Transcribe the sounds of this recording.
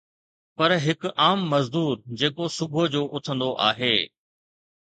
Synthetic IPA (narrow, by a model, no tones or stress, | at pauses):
pɐɾɦɪkaːmːɐzd̪uːɾd͡ʑeːkosʊbʱod͡ʑoːʔʊt̪ʰə̃nd̪oʔa̰ːɦeː